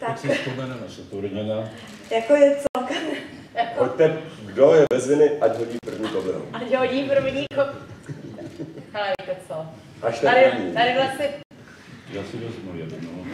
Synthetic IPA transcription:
t̪aksɪsspomɛnɛnasɛt̪uɾɲɛna | jakojɛt͡sok | jakpoct̪ɛɡdojɛvɛzɪnɪʔacɦoɟiːpr̩vɲikobɾo̰ʔacɦoɟiːpr̩vɲiːko | halɛɾk̪ɛt͡so | ʔaʃt̪ɛaɾɪit̪aɾɪvlasɲɛ | jaːsɪvɛzmujɛdɛno

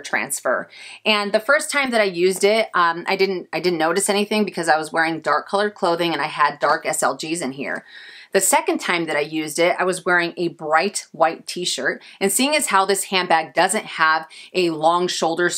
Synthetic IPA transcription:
tʰɹ̥æ̰̃nsfə̰˞ɨ̃nðɨfɜ˞stʰãɪ̃mðɨɾaɪjʉzdɪt̚ʔaɪdɪdⁿn̩taɪdɪdⁿn̩noʊɾɨsɛñiθɪ̃ŋbɨkʰʌzaɪwʌzwɛɹɪ̃ŋdɑɹkʰːʌlˠə˞kʰl̥oʊðɪ̃ŋɨ̃ñaɪɨdɑɹkɛsɛ̰lˠd͡ʒizɨ̃nɦḭɹðɨsɛkɨ̃ntʰãɪ̃mðɨɾaɪjʉzdɪɾa̰ɪwʌzwɛɹɪ̃ŋɨbɹaɪt̚waɪtʰiʃə˞ɾɨ̃nsiɪ̃ŋɨz̥haʊðɪshæ̃nbæɡ̚dʌzɨ̃nt̚həvʔɨlɔ̃ŋʃoʊlˠdə˞

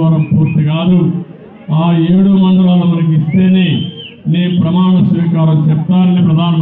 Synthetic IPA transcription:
ɐɾɐmpuːɾt̪iɡaːd̪u | aːe̞ːɽumɐɳɖ̪ɐlaːlɐmɐɾɐk̬ist̪e̞ːneːneːpɾɐmaːɳɐsʋiːkaːɾɐmt͡ʃɛpːaːnːipɾɐd̪ʱaːnɐ

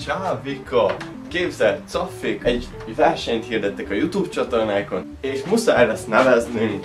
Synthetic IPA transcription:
t͡ʃaːvikʰːɒ | keːbzɛlt̪t̪sɒfːikɛɟ | vɛrʃɛɲt̪hiːrd̪ɛt̪ːɛkɒjut̪uːbt͡ʃɒt̪o̞rnaːko̞n | eːʃmusaːjlɛsnɛvɛznim

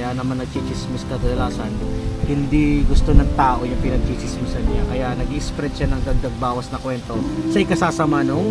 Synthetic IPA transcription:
jaːnɐmaɐnːɐt͡ʃit͡ʃɪsmiskɐd̪ɐd̪ɐlaːsɐnhɪnd̪iɡʊst̪onɐŋt̪aːʔo̞jʊŋpɪnɐt͡ʃiːsɪsmisɐnɲakɐjaʔnɐɡiʔɪspɾɛd̪ʃanɐŋd̪ɐɡ̚d̪ɐɡ̚baːwɐsnɐkwɛnt̪o̞sɐʔɪkɐsaːsɐmano

